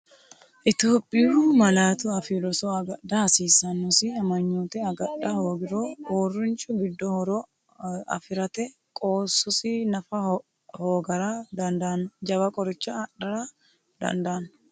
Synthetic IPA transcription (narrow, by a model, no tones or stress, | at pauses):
ʔɪt̪jo̞ːpʼːɪumɐlaːt̪ʊɐfɪɾɔsɔɐɡɐd̪ɐhɐsiːsɐnːɔsɪɐmɐɲːoːt̪ɛɐɡɐᶑɐhoːɡɪɾooːrːʊnt͡ʃʼʊɡɪd̪ːɔhɔɾɔ | ɐ̰fɪɾɐt̪ɛ | kʼoːsːʊsɪnɐfɐ | ho̞ːɡɐɾɐd̪ɐnd̪ɐnːd͡ʒɐβɐkʼɔɾɪt͡ʃːɐɐɗɐɾɐ | d̪ɐ̰nd̪ɐːn